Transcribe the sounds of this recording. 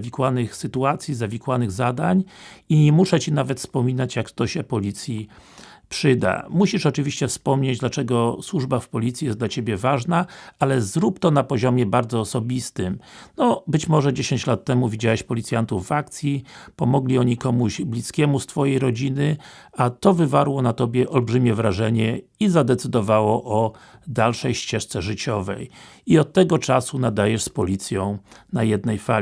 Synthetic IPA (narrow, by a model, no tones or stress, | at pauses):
vʲikwanɘxsɘt̪uat̪sʲjizavʲikwanɘɣzad̪aɲiɲɛmuʂɛt͡ɕinavɛt̪fspɔmʲinat͡ɕjakt̪ɔɕɛpɔlʲit̪sʲji | pʂɘd̪a̰muɕiʂɔt͡ʂɘvʲiɕt͡ɕɛfspɔmɲed͡ʑd̪lat͡ʂɛɡɔswuʐbafpɔlʲit̪sʲjijɛsd̪lat͡ɕebʲjɛvaʐnaalɛzɾupt̪ɔnapɔʑɔmʲjɛbaɾd̪zɔːsɔbʲist̪ɘmnɔbɘt͡ɕmɔʐɛd͡ʑeɕeɲt͡ɕlat̪ːɛmuvʲid͡ʑawɛɕpɔlʲitsʲjant̪uvːak̚t̪sʲjipɔmɔɡlʲiɔɲikɔmuʑblʲiskʲɛmust̪fɔjejɾɔd͡ʑinɘat̪ɔvɘvaɾwɔnat̪ɔbʲjɛʔɔlbʐɘmʲɛvɾaʐɛɲɛizad̪ɛt̪sɘd̪ɔvawɔʔɔd̪alʂɛjɕt͡ɕɛʂt̪sɛʐɘt͡ɕɔvɛ̰j | iɔt̪ːɛɡɔt͡ʂasunad̪ajɛʂspɔlʲit̪sʲjɔ̃w̃najɛd̪nɛjfa